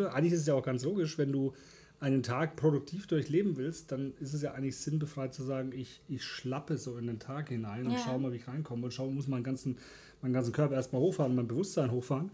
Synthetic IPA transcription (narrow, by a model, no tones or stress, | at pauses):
əʔaɪɡŋnlɪçɪstəs̬jaʊxɡ̥ant͡sloːɡɪʃvɛnduː | ʔaɪnəntʰaːk̚pʁ̥oɾʊk̚tʰiːfd̥ʊɐçleːbm̩vɪlst̚d̥anɪstɛs̬jaːʔaɪŋtlɪçz̥ɪnbəfʁ̥aɪt̚t͡suzaːɡŋ̩ɪç | ɪçʃlapəzoːɪndeːntʰaːkhɪnaɪnʊntʃaʊmaːlviːçʁaɪnkʰɔməʊntʃaʊəmʊsmaɪnɡant͡sn̩ | maɪnɡant͡ssn̩kʰœɐpɐʔeɐstmaːloːxfaːʁnmaɪnbəvʊstz̥aɪnɦoːxfaːʁən